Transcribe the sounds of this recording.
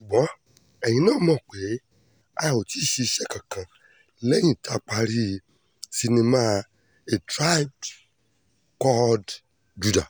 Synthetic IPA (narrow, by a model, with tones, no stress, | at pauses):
ʃu˨ɡ͡bɔ̃˨˦ | ɛ˨j̃ĩ˨˧nãː˦˨mɔ̃˦˨k͡pe˨˦ | a˧˨o˨ti˦˨ʃi˧i˧ʃɛ˦kã˨kã˨ | lɛ˦j̃ĩ˦˨tʰa˦˨˧k͡pa˧ɾi˦ | si˧nẽ˧ma˧ | e˨tɾa˦i˦d | kɔ˦d | d͡ʒu˧da˨